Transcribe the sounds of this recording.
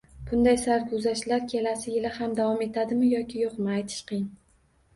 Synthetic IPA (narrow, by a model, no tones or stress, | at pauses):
b̥ʊnd̪ajsaɾkʰʊzaʃlaɾkʲʰe̞lasɪjɪlɪhamd̪avɒme̞t̪ʰad̪ɪmɪjɒkʲʰɪjoqmaajt̪ʰɪ̥ʃqʰɨjɪŋ